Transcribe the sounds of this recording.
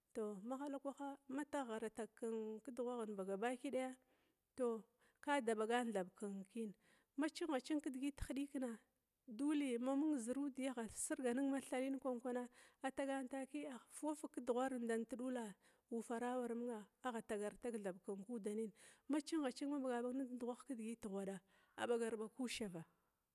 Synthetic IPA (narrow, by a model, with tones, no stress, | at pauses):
to˨ma˦xa˦la˦kʷa˦xa˦ma˦ta˦ɣa˨ɾa˨ta˨kːa˨nki˦du˨ɣʷa˦ɣa˨nba˨ɡa˨ba˦ki˦ɗa˦ja˦ | to˨ | ka˦da˨ɓa˨ɡa˦n˨ɮa˨bka˨ŋki˦n˨ | ma˦t͡ʃi˦ŋ˦ɣa˨t͡ʃi˦ŋki˦dɡi˦txa˦ɗi˦kna˨ | du˦le˨ma˦mu˦ŋ˨zi˨ɾu˦di˨ja˦ɣa˨si˦ɾɡa˨ni˦ŋma˦ɬa˦li˦n˦kʷa˦ŋkʷa˦na˦a˨ta˦ɡa˦nta˦ki˦a˨fa˦fa˦kdu˨ɣʷa˦ɾnda˨nti˦ɗu˦la˨ | u˨fa˨ɾa˦wa˨ɾmu˦ŋa˨a˦ɣa˨ta˨ɡa˨ɾta˦kɮa˨bka˨ŋku˦da˨ni˦nma˦t͡ʃi˦ŋɣa˨t͡ʃi˦ŋma˦ba˨ɡa˨ba˦ɡna˦du˨ɣʷa˦xkə˦dɡi˦ti˨ɣʷa˨ɗa˨ | a̰˨ɓa˨ɡa˨ɾba˨ku˦ʃa˨va˨